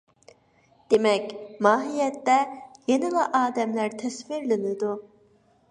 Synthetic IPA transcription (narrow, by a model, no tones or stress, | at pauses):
d̪̥emɛkʲmɑːɦijɛt̪ːɛjenilˠaʔɑːd̪ɛmlʲæɾt̪ʰɛsfiɾlinɪd̪u